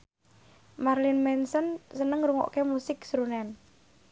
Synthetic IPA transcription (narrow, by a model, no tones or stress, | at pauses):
marlɪnmɛnsɔnsənəŋɾuŋɔ̰ʔkemusɪksɾunɛn